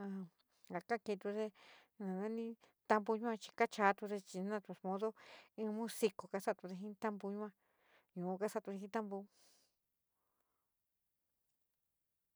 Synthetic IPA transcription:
a˧˨ | a˨ka˦ke˧t̪u˧ðe˦ | nã˨nã˦nĩ˦ | t̪a˧mbu˧ɲũ˦ã˧t͡ʃi̥˧ka˦t͡ʃa˧˦t̪u˧ðe˧t͡ʃi˧nã˦˧t̪u˧˨˧mõ˧˦ðo˦ĩ˧mũ˦si˧ko˨ka˧sa˦t̪u˧ðe˧ɦĩ˦t̪a˦mbu˧ɲũ˦ã˧ | ɲũ˨˧ka˦sa˧˨t̪u˧ðe˧ɦĩ˧˦t̪a˦mbu˧

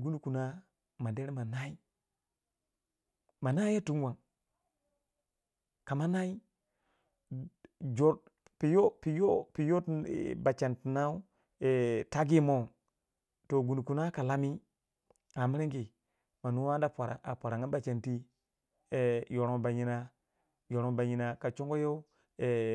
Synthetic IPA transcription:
ɡu˦nu˦ku˨na˦ | ma˨de˦ɾi˦ma˨na˦i˦ | ma˨na˦ja˦tu˦nwa˨ŋ | ka˨ma˦na˦i˦ | d͡ʒo˨ | pi˨jo˦pi˨jo˦pi˨jo˦tba˨t͡ʃa˨ntna˦u˦ | e˨ta˦ɡi˦mo˦˨ | to˨ɡu˨n˨ku˨na˦ka˨la˦mi˦ | a˨mi˦ɾi˦ŋki˨ | ma˨nu˦wa˦n˦da˦˨pʷa˨ɾa̰˨ʔa̰˨pʷa˨ɾa˨ŋa˦ba˦˨t͡ʃe˨nti˦ | e˨jo˨ɾo˨˦ba˨ɲi˦na˦ | jo˨ɾo˨ba˨ɲi˨na˨ka˨t͡ʃo˦ŋɡo˦jo˦ | e˨

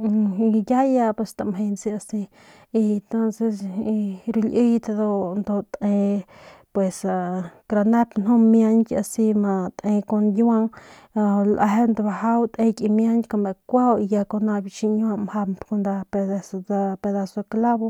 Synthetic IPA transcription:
ja˦ja˧pe˧st̪a˨mɦe˧nsi˧a˧si˧ | i˧nt̪o˦nse˧si˧ɾu˧lʔi˦jt̪a˧d̪o˧nd̪o˧t̪ẽ˧pwe˨sa˨kɾa˧ne˦pno˦mja˦nkʲa˧si˧ma˧t̪ʔẽ˧ko˧nja˧ŋ˧ | lʔa˧ɦe˦nd̪o˧ba˧ɦa˦wt̪ʔẽ˧kʼi˧mja˦nkʲko˧˨me˨kʷa˦wi˧ja˧ko˧na˧bi˧t͡ʃi˧ɲ˦a˧mha˧mko˧nd̪a˧pe˧d̪a˧sa˧pe˧d̪a˧so˧kla˦bo˧

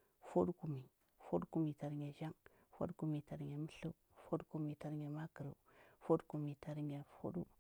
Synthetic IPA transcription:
fo˦ɗku˨mi˨ | fo˦dku˨mi˨ta˨ɾɲe˨ʒa˦ŋ | fo̰˦dku˨mi˨ta˨ɾɲe˨mə˦ɬu˦fo˦dku˨mi˨ta˨ɾɲe˨ma˦kə˨ɾṵ˨fo˦dku˨mi˨ta˨ɾɲa˨fo̰˦ɗṵ˦

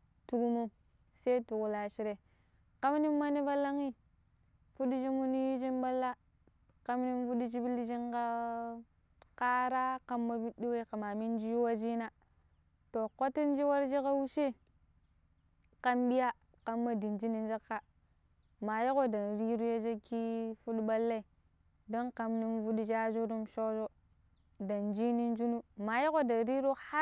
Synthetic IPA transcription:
tu˨˦ɡu˦mu˦ | se˦i˦tu˨ku˨la˨ʃi˦ɾe˨ | ka˦m˦ni˦mː˦a˦ni˦va˦lːa˦ŋi˦ | fu˦ɗi˦d͡ʒi˦mu˦ni˦d͡ʒi˦nba˦lːa˦ | ka˦m˦ni˦mfu˦di˦d͡ʒi˦bi˦li˦d͡ʒi˦ŋka˦ | ka˦ɾa˦ka˦mːa˦bi˦ɗi˦we˦ka˨ma˨mi˦n˦d͡ʒi˦ju˦wa˦d͡ʒi˦na˦ | to˨ko˦ti˦n˦d͡ʒi˦wa˦ɾd͡ʒi˦ka˦wu˦ʃe˦ | ka˦mɓi˦ja˦ | ka˦mːa˦di˨nd͡ʒi˦ni˨n˦d͡ʒa˦kːa˦ | ma˨jo˦ko˦da˨nɾi˦ɾu˦ja˦d͡ʒa˦ki˦fu˦ɗɓa˦lːa˦i˨ | do˦nka˦mni˦nvu˦ɗi˦d͡ʒa˦d͡ʒu˦ɾu˦mʃo˦d͡ʒo˦ | da˨nd͡ʒi˦ni˦nd͡ʒu˦nu˦ma˨ji˦ko˦da˨nɾi˦ɾu˦ha˦

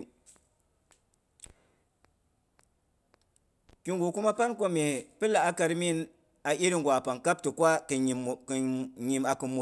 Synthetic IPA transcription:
ki˦ŋɡu˨ku˦ma˦pa˦nko˦me˨pɨ˦la˨a˦ka˧ɾmi˦n | a˨ʔi˦ɾi˦ŋɡʷa˨pa˨ŋka˦p̚tɨ˨kwa˦kɲi˨ma˨kɨ˨mo˨

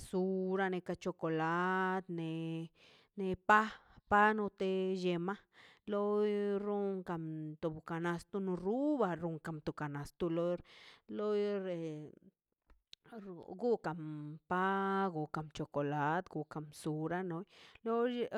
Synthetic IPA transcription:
su˨ɾa˧ne˧ka˧t͡ʃo˧ko˧˨la˦d̪ne˧ | ne˧pa˦ | pa˦no˧t̪e˧je˧ma˦lo˦jɾu˦ŋka˧mt̪u˨bka˨na˧st̪u˧nu˧ɾu˦ba˧ɾu˧ŋka˨mt̪u˨ka˨na˨st̪u˧lo˦ɾlo˦jɾe˨ | ɡu˦ka˨mpa˦ɡu˨ka˨mt͡ʃo˧ko˨la˨˦d̪ɡu˧ka˨msu˨ɾa˦no˧˦jlo˦

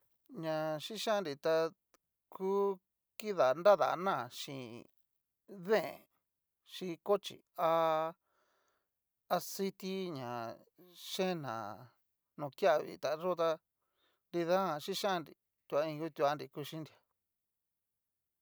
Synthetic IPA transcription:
ɲã˨ʃĩ˦ʃã˦˧nɾi˨t̪a˧ | kuː˦ | ki˦ða˨nda˦ða̰˨˧nã˦˨ʃḭ̃˧˨ | ðẽ˦˨ | ʃi˧ko˦t͡ʃḭ˨a˧ | a˧si˦t̪i˦ɲã˨ | ʃẽ˦nã̰˨ | nũ˨kja˦˨βḭ˨t̪a˨ʐo˦t̪a˧ | ndi˧ðã˦ã˧ʃĩ˦ʃã˦˧nɾḭ˨ | t̪u˧a˧ĩ˧ju˦t̪u˧a˧nɾi˧ku˧ʃĩ˦ndi˨a˨

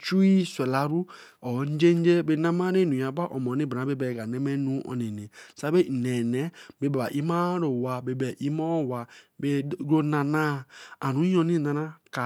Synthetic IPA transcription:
t͡ʃu˦i˦se˨la˨ɾu˦ | ɔ˨˦n˦d͡ʒe˦n˦d͡ʒe˦be˦na˦ma˦ɾe˦˨nũ˨ja˨ba˦ʔɔ˨mɔ˨ni˦bna˨˦e˦bɛ˨ɡa˨ne˦me˦nu˦ɔ̰˨ne˨ne˨sa˦be˦˨ne˨ne˨˦be˨˦ba˨ba˨ʔi˦ma˦ɾo˨wa˨be˨bɛ˨ʔi˦ma˦˨wa˨be˦ɡo˦na˨na˦a˨nu˨˦o˨ni˦˨na˨na˦ka˨

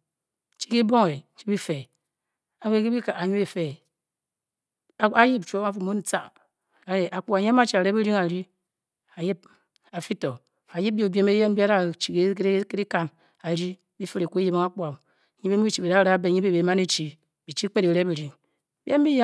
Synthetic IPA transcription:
t͡ʃi̥˦ki˦bo˦ŋe˨˦t͡ʃi̥˦bi˦fe˨ | a˨we˦˨˦ke˦bi˦ka˨a˨ɲu˦e˨fe˨˦ | a˦ji˦p̚t͡ʃʷo˦a˦fmo˦n̩˦t͡sa˦˨ | a˨e˨ʔa˨k͡pu˨a˨ɲa˦m˦a˦t͡ʃi˦a˨ɾe˦be˦ɾi˦ŋa˨ɾi˦ | a˨ji˦b̚ | a˨fi˦to˨ | a˨ji˦b̚bo˨be˦me˦je˦n˦bi˦a˦ɾa˦˨t͡ʃi˨ke˨kke˦ɾi˦ka˨n | a˨ɾi˦ | bi˦fi˦ɾe˨ku˦e˦ji˦bo˦ŋa˦k͡pu˦a˨m˨ | ɲi˦be˦u˦i˦t͡ʃi˨bi˨da˦ɾa˦be˨ɲi˦bi˦be˨ma˦ne˦t͡ʃi˨ | bi˨t͡ʃi˦k͡pe˦ɾe˨ɾe˦be˨ɾi˨˦ŋ˦ | bi˦e˦n˦bi˦ja˦

